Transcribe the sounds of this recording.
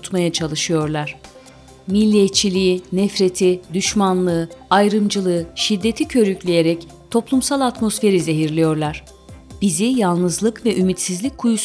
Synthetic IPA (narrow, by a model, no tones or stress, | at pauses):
t̪majat͡ʃʰalˠɯʃɯjo̞ɾlˠaɾ̝̥ | milʲːiɛt̪t͡ʃʰːilʲiinɛfɾe̞t̪ʰid̪yʃmanlˠɯːajɾɯmd͡ʒɯlˠɯːʃid̪ːe̞t̪ʰicʰø̞ɾyclʲije̞ɾɛc | t̪ʰo̞plˠumsalˠat̪mo̞sfe̞ɾize̞ɦiɾlʲijo̞ɾlˠaɾ̥ | b̥izijalˠnɯzlˠɯkvɛʔymit̪sizlʲic̚ʲkʰujus